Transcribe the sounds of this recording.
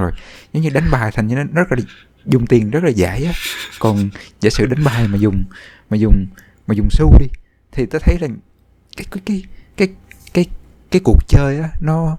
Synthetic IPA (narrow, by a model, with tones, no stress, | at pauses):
o˨˩jzə˨˦ŋ͡mɲɨ˧ɗa˨˦jŋ̟ɓaː˨˩jt̪ʰa˨˩ŋɲɨ˧˦n˨˦n˦zə˦˥t̚laː˨˩ | zʊ˨˩ŋ͡mt̪i˨˩ənzə˦˥t̚laː˨˩zaː˧˩˦jʔaː˨˦kɔ˨˩nzḛː˧˥sɨ̰˧˨ɗa˨˦jŋ̟ɓaː˨˩jmaː˨˩zʊ˨˩ŋ͡mmaː˨˩zʊ˨˩ŋ͡m | maː˨˩zʊ˨˩ŋ͡msu˧wɗi˧ | t̪ʰi˨˩t̪aː˨˦jt̪ʰə˨˦jlaː˨˩ŋ | kaː˨˦jkkaː˨˦jkaː˨˦jkaː˨˦j | kaː˨˦jku˨˩ək̚t͡ɕəː˧jʔaː˨˦nɔ˨˦